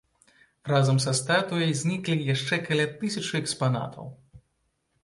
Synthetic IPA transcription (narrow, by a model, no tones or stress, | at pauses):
razɐmsɐst̪at̪ujɐjzʲnʲiklʲijaʂt͡ʂɛkalʲat̪ɨsʲɐt͡ʂɨɛkspana̰t̪ʰɐ̰w